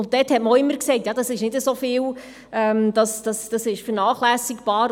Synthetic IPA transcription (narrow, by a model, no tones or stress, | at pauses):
ʊnt̚d̥ɛːthɛtməoːɪmːəɾkseɪtjɑːdɑsɪʃnɪdəsofɪːw | ɛmd̥̪ɑsd̥ɑsd̥ɑsɪʃfəɾnɑːχlæːsikb̥ɑːɾ